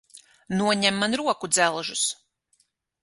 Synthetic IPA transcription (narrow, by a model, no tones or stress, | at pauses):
nuɔɲɛmːanɾuɔkud̪zɛlˠʒus